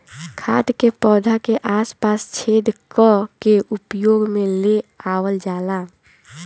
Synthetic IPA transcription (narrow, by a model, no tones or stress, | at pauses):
kʰad̪kepɔːd̪ʱakeʔaːspast͡ʃʰed̪kɔkeʔupjoɡmeleawəld͡ʒala